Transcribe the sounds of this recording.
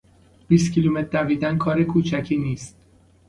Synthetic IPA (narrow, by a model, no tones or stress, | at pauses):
b̥iːst̪cʰilumet̪ʰːæviːd̪ænkʰɒːɾekʰuːt͡ʃʰæcʰiːniːst̪̚